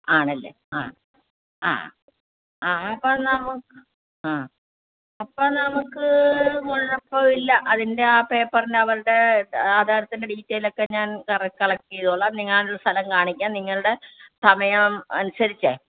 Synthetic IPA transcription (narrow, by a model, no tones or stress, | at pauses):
aːɳɐlːḛ | a̰ː | a̰ː | aːɐpːɐnɐmukːɨ | aː | ɐpːoːnɐmukːɨmoɭːɐpːoːilːɐʔɐðinde̞aːpeːpːɐrindeɐʋɐɾɨɽe̞aːd̪ʱaːɾɐt̪ːinde̞ɖiːtːejilo̞kːe̞ɲaːnkɐrɐkːɐɭɐkːijɐðoɭːɐniŋːaːnuɭːɐst̪ʰɐlɐmkaːɳikʲːaːnniŋːɐɭuɽe̞sɐmɐjɐmɐ̰nusɐɾit͡ɕːɨ